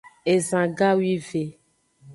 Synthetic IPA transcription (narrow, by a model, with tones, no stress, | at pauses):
e˨zã˨ɡa˦wi˦ve˨